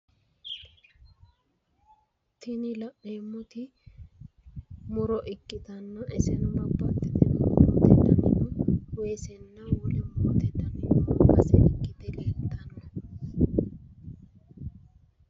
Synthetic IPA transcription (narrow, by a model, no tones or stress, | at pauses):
t̪ʰɪnɪlɐʔeːmːʊt̪ɪ | mʊɾɔʔɪkʼːɪt̪ɐnːɐʔɛsɛnʊmɐbːɐt̪ːɪt̪ɛnmot̪ɛd̪ɐnɪnɔweːsɛnːɐwɔlɛmoːt̪ɛd̪ɐnɪnɐbɐsɛʔɪkʼːɪd̪ɛleːlt̪ːɐnɔ